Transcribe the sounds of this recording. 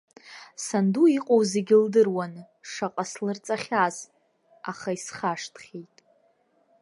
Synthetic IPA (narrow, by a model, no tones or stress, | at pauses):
sanduiqʼowzeɡʲɪldɨrwan | ʂaqʼaslɨrt͡sʼaχʲaz | aχaisχaʂtʰχʲejtʼ